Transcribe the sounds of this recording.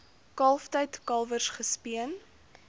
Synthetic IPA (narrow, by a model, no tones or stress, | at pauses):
kɐlˠftəjtkɐlˠvərsχəspiən